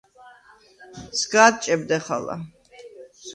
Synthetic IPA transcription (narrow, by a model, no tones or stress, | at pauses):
sɡaːt̪̚t͡ʃʼɛb̚d̪ɛχa̰la̰